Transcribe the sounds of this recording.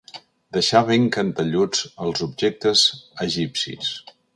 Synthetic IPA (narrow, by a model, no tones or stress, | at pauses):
d̪əʃaβeŋkənt̪əʎud͡zəlˠzubʒek̚t̪əzəʒipsḭs